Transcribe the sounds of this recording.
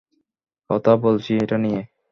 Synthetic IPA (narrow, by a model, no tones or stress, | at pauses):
kɔt̪ʰabolt͡ɕʰiejʈanije